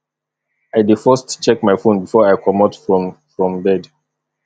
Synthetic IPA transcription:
aɪdifɔstt͡ʃɛk̚maɪfõnbifɔɹaɪkʰɔmɔtfɹɔ̃mfɹɔ̃mbɛd

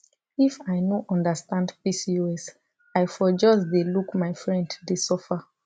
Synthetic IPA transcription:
ifaɪnoʔɔ̃ndəstãndpisioɛs | aɪfɔd͡ʒɔsdelukmaɪfɹɛ̃nddesɔfa

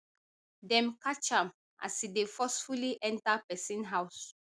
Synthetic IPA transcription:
dɛ̃mkat͡ʃãm | ʔa̰sidefɔsfuliʔɛ̃ntapɛsĩnɦaʊs

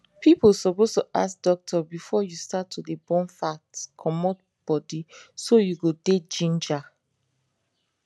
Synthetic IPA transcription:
pipolsɔpostuʔa̰sk̚d̥ɔk̚tʰɔbifɔjustatʰːudebɔ̃nfatkʰɔmɔt̚ | b̥ɔdisojuɡoded͡ʒĩnd͡ʒa

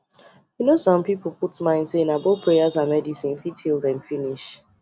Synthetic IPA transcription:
junosɔ̃mpipl̩ˠputmãɪ̃ndsenaboθpʰɹeazamɛdisĩnfitʰilˠdɛ̃mfiniʃ

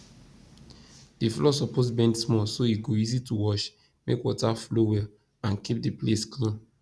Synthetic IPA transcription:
d̥iflɔsɔposbɛ̃ndsmɔsoiɡoizituwɔʃ | mḛkwɔtaflowɛl | ãnkip̚diplesklĩn

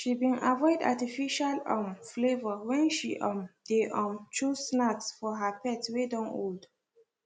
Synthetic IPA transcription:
ʃibĩnavɔɪda̰tifiʃalʌ̃mflevəwɛ̃nʃḭʔɔ̃mdeʔɔ̃mt͡ʃʰusnatsfɔɦapʰɛtwedɔ̃no̰ld

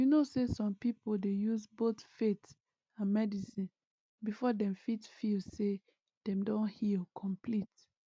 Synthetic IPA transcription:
junosesɔ̃mpipoldejuzbotfet | ãnmɛdisĩn | bifɔdɛ̃mfitfilse | d̥ɛ̃mdɔ̃nhilkʰɔ̃mpʰlit

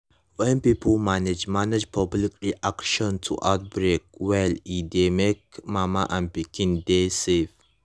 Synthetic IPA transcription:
wɛmpipʰəlmaned͡ʒmanəd͡ʒpʰablikɾiʔakʃə̃ntʰṵʔaʊt̚bɾek̚wɛlidemek̚mamaʔãmpikĩndesef

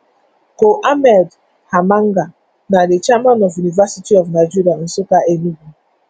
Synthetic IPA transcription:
koʔamɛld | hamaŋ̩ɡa | nadɪt͡ʃamanɔvunivasitiɔvnaɪd͡ʒiɾian̩sokaenuɡʷu

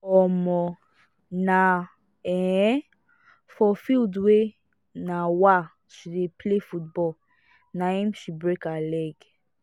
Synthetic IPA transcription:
ɔmɔ̃ | na | ɛ | fɔfildwe | nawa | ʃidepʰlefut̚bɔl | naĩmʃibɹekalɛɡ

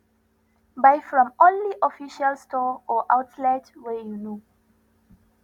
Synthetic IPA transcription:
baɪfɹɔ̃mɔ̃nliʔɔfiʃalstʰɔɔʔaʊtlɛtwɛjuno

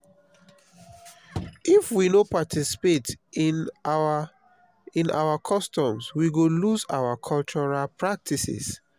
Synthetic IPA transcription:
ʔifwinopatʰisi̥pet | ĩna̰ʊakʰɔstɔ̃mswiɡoluza̰wakʰɔlt͡ʃɔɹalpɹak̚tʰisḭs

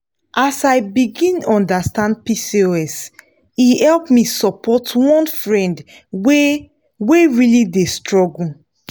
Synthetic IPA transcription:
ʔasaɪbiɡĩnɔ̃ndastãnd̚pisioɛs | ihɛlpmisɔpʰɔtwɔ̃nfɹɛ̃nd | we | weɹilidestɹɔɡul̩

